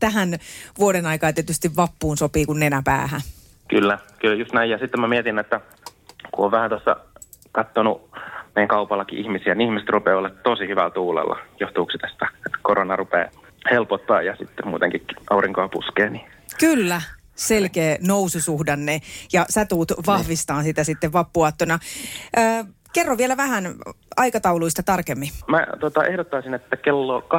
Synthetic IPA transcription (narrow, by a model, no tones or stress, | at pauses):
t̪æɦænʋuodenɑikɑːt̪iet̪yst̪iʋʋɑpːuːnsopiːkunːenæpæ̰ːhæ | kylːækyljust̪næijɑsit̪ːemæmiet̪inːet̪ːæ | kuʔoʋʋæhænt̪osːɑ̰ | kɑt̪ːonṵmeˑjæŋkɑupɑlːɑkḭʔihmisiæniihmise̥t̪rupeːolːɑt̪t̪osihyʋælt̪uːlḛlːɑ̰joht̪uːksit̪æst̪æet̪ːkoronɑrupḛː | helpot̪ːɑ̰ːjɑsit̪ːemmuːt̪eŋkiʔɑuriŋkoɑpṵskeːni | kylːæ | selkeːnoususuhdɑnːejɑsæt̪uːt̪ʋɑhʋist̪ɑːnsit̪æsit̪ːeʋʋɑpːuɑt̪ːonɑʔəː | kerːoʋielæʋæhæn | ɑikɑt̪ɑuluist̪ɑt̪ɑrkemːimæ̰t̪ot̪ɑʔehdot̪ːɑisinet̪ːækelːokɑ